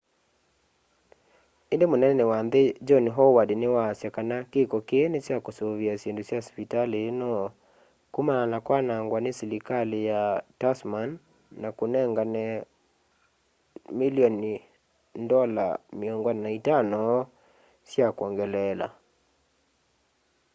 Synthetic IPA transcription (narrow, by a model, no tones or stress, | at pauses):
endemonɛɛnɛwanðed͡ʒɔnɦɔwadnewaːsjakanakekɔkeenesjakosoβiasendusjaɔspitalenɔ | kumananakwanaŋɡwanesɛlikalijatasmanː | akonɛŋɡanɛ | miliɔni | ndɔla̰miɔŋɡannaitanɔ | sjakɔŋɡɛlɛla̰